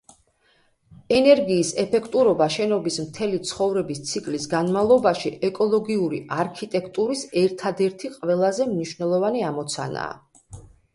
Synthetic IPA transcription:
ɛnɛɾɡiːsɛpʰɛkʰt̪ʼuɾɔbaʃɛnɔbismt̪ʰɛlit̪sʰχɔvɾɛbist̪sʰikʼlisɡanmavlˠɔbaʃiʔɛkʼɔlˠɔɡiuɾiʔaɾkʰit̪ʼɛkʰt̪ʼuɾisɛɾt̪ʰad̪ɛɾt̪ʰiqʼvɛlˠazɛmniʃvnɛlˠɔvaniamɔt̪sʰa̰na̰ː

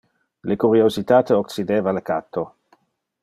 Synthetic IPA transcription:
lekuɾiozit̪aːt̪eokt͡sid̪eːvalekat̪ʰːo

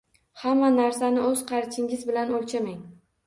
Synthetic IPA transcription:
hamːanaɾsanɪɵz̥qʰɑɾt͡ʃʰɪŋʲɪzbɪlanolˠt͡ʃʰamaŋ

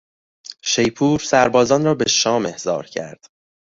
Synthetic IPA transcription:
ʃejpʰuːɾsæɾbɒːzɒːnɾɒːbe̞ʃɒːme̞hz̥ɒ̰ːɾcʰæ̰ɾd̪̥

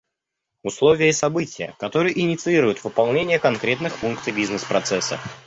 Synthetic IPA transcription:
ʊslˠovʲɪjəɪsɐbɨtʲɪjə̰kɐt̪o̞ɾɨjʔɪnʲɪt̪sɨiɾʊjʊt̪vɨpɐlˠnʲenʲɪjəkɐnkɾʲe̞t̪nɨxfunkt̪sɨjbʲiznɨspɾɐt̪sɛsːə̰

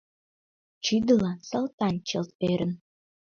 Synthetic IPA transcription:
t͡ʃyd̪əlɑnsəlt̪ɑnt͡ɕəlt̪̚øɾə̆n

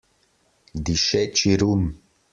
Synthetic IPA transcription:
d̪iʃɛt͡ʃʰʼiɾum

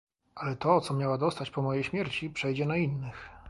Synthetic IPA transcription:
alɛt̪ɔt̪sɔmʲjawad̪ɔst̪at͡ɕpɔmɔjejɕmʲjɛɾt͡ɕipʂɛjd͡ʑɛnainːɘx

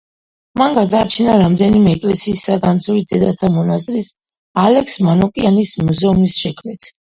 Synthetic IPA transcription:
manɡad̪aːt͡ʃʰinaɾamd̪ɛnimɛːkʼlɛsiːsːaɡant̪sʰuɾid̪ɛd̪at̪ʰamɔnazɾis | alɛksmanɔkʼianismuzɛumisʃɛkʰmlɛt̪ʰ

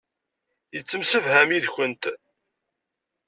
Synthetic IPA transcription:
jət͡sːəmsəvhæmiðçənt̪

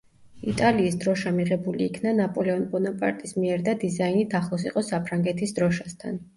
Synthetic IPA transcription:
it̪ʼaliːsd̪ɾɔʃamiʁɛbuliːkʰnanapʼɔlɛɔnpʼɔnapʼa̰ɾt̪ʼismiɛɾd̪ad̪izainit̪ʰaχlˠɔsiqʼɔsapʰɾaŋɡɛt̪ʰisd̪ɾɔʃast̪ʰa̰n

